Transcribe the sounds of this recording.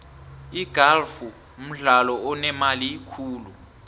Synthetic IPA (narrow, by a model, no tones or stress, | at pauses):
iɡ̥ʱalfu | m̩ɮalɔɔnɛmaliikʰuːlu